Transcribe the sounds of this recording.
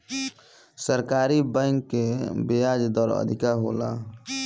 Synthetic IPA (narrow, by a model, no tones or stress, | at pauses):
səɾkaːɾibə̃ŋkːebejaːd͡ʒd̪ɔːɾə̰d̪ʱɪkaɦo̰ːla̰